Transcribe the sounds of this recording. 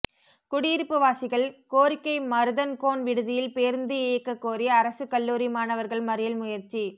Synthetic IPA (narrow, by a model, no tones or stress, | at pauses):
kʊɽɪjɪɾɯpːɯʋaːsɪɣɐɭkoːɾɪkːɐɪmɐɾɯðɐnkoːnʋɪɽɯðɪjɪlpeːɾnd̪ɯeːkːɐkːoːɾɪjɐːɾɐsɯkɐlːuːɾimaːnɐʋɐɾɣɐɭmɐɾɯjɐlmʊjɐɾt͡ʃːi